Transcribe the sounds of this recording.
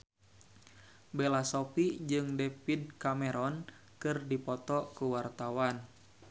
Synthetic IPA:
bɛlasɔpid͡ʒɨŋdɛpid̚kamɛɾɔn | kɨrdipɔt̪ɔkuwart̪awan

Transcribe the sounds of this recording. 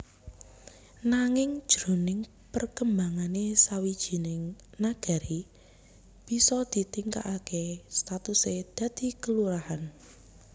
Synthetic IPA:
naŋɪŋd̥ʒ̥ɾo̤nɪŋ | pərkəmbaŋanesawid̥ʒ̥i̤nɪŋnaɡ̥a̤ɾi | b̥i̤sɔd̪̥i̤t̪iŋka̰ʔakest̪at̪used̪̥a̤d̪̥i̤kəluɾahan

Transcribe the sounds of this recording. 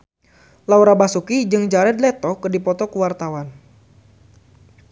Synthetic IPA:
lawɾabasukid͡ʒɨŋd͡ʒaɾɛd̪̚lɛt̪ɔkɨdipɔt̪ɔkuwart̪awan

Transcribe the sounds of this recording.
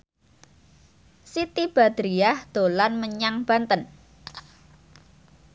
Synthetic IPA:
sit̪ib̥a̤d̪ɾiahd̪̥o̤lanməɲaŋb̥a̤nt̪ən

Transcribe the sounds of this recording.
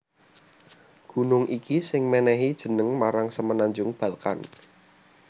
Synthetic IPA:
ɡ̥ṳnʊŋʔikisɪŋmɛnɛɦid̥ʒ̥ə̤nəŋmaɾaŋsəmənaɲd͡ʒʊŋb̥a̤lka̰n

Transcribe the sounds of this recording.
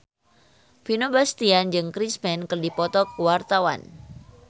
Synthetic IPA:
finobast̪iand͡ʒɨŋkɾismɛnkɨrdipɔt̪ɔkuwart̪awa̰n

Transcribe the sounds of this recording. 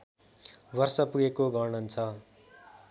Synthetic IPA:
bʌrsʌpuɡekoɡʌɾɳʌnt͡sʰʌ

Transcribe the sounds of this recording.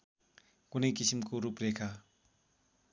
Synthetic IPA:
kunʌjkisimkoɾuprekʰa

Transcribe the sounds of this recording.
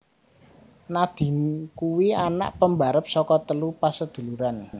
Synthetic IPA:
nad̪̥i̤mkuwiana̰ʔpəmbaɾəp̚sɔkɔt̪əlupasəd̪̥ṳluɾan

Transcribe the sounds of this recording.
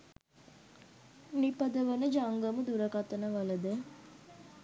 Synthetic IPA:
nipɐd̪əʋənəd͡ʒaŋɡəmud̪uɾəkat̪ənəʋɐləd̪e

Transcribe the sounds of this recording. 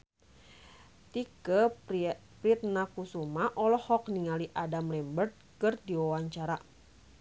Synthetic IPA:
t̪ikə | pɾit̪̚nakusumaʔɔlɔhɔkniŋaliʔadamlɛmbərt̪̚kɨrdiwawaɲt͡ʃaɾa

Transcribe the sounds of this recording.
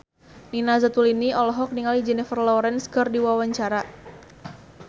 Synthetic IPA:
ninazat̪uliniɔlɔɦɔk̚niŋalid͡ʒɛnifərlɔɾɛnskərdiwawaɲt͡ʃaɾa

